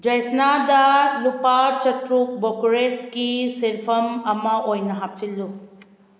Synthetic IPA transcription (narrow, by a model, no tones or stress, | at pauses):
d͡ʒajsnadɐlupat͡ʃɐtɾuk̚bokɾeskiselpʰɐmɐmɐʔojnɐɦap̚t͡ʃilːu